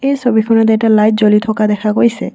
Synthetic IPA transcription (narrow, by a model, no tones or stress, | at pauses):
ejsʰobikʰɔnat̪ɛʈalajt̚d͡ʑolit̪ʰɔkad̪ɛkʰaɡojsḛ